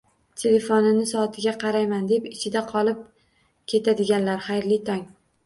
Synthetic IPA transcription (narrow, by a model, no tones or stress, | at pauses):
t̪ʲʰe̞le̞fonɪnɪsɒːt̪ʰɪɡʲaqʰɑɾajmand̪e̞pɪt͡ʃʰɪd̪aqʰɒlˠɪp̚ | kʲʰe̞t̪ʰad̪ɪɡʲanlaɾχajɾlɪt̪ʰɒŋ